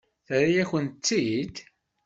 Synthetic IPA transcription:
θɾijæçənt͡s̪ːid̪

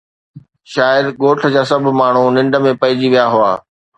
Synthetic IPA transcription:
ʃaːɪd̪ɠoːʈʰə̆d͡ʑaːsɐbʱmaːɳ̤unɪ̃ɳɖəmẽpɐɪd͡ʑiʋijaɦʊa̰ː

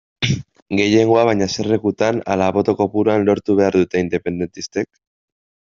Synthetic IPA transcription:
ɡe̞je̞ŋɡo̞aβajɲaserekut̪ana̰laβo̞t̪o̞ko̞puɾoanlo̞ɾt̪uβ̞e̞aɾðut̪e̞ind̪e̞pe̞nd̪e̞nt̪ist̪e̞k

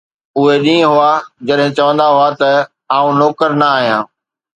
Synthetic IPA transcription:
ʊɦeɗĩːə̃ɦʊad͡ʑɐɗɦɪ̃t͡ɕɐʋə̃nd̪aɦʊat̪ɐ | aːũnɔːkəɾnɐaːɦijãː

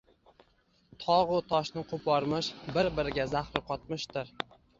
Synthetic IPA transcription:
t̪ʰɒʁʊt̪ʰɒʃnɪqʰʊpʰɒɾmɪʃbɪɾbɪɾɪɡʲazaχɾɪqʰɒt̪mɪʃt̪ɪɾ

